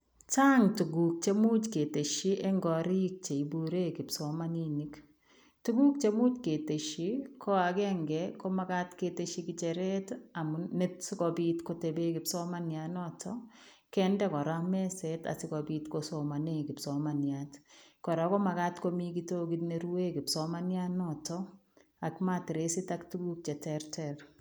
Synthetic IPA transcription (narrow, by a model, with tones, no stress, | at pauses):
t͡ʃa˦ŋtu˨ɡu˨k̚t͡ʃe˦mu˦t͡ʃke˨te˨ʃi˦ʔɛ˦ŋɡɔ˨ɾi˦k̚t͡ʃe˨i˨bu˨ɾe˦kɪ˨pso˨˦ma˦ni˦ni˦k | tu˦ɡu˦k̚t͡ʃe˦mu˦t͡ʃke˨te˨ʃi˦kʰɔ˦a˨ɡɛ˦ŋɡɛ˨ko˦ma˦ka˦tke˨te˦ʃi˦kɪ˦t͡ʃɛ˨ɾɛ˦ta˨mune˦sɪ˦kɔ˨bi˦tko˦te˨be˦kɪ˨psɔ˦ma˦nja˨nɔ˦tʰɔ | kɛ˦ndɛ˦kɔ˨ɾa˦mɛ˦sɛta̰˨sɪ˦kɔ˨bi˨tkosɔma˨ne˦kɪ˨psɔmanjatkɔ˨ɾɔ˨kɔ˦ma˨ka˦tko˦mi˦kito˦ɡi˦tne˨ɾu˦e˦kɪ˨psɔma˦nja˦nɔtɔ˦ | a˨kma˦ti˨ɾe˦sɪ˦taktu˦ɡu˦k̚t͡ʃɛ˨tɛɾtʰɛɾ